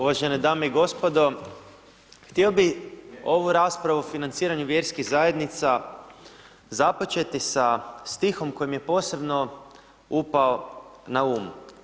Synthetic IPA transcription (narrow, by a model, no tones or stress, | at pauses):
uʋaʒened̪aːmeiɡo̞spo̞d̪o̞ | xt̪io̞bio̞ʋuɾaːspɾaʋuofinant̪siːɾaɲuʋje̞ɾskiɣzaje̞d̪nit̪sa | zapo̞t͡ʃe̞t̪isast̪ixo̞mko̞jimje̞po̞ːse̞bno̞ | upaonauːm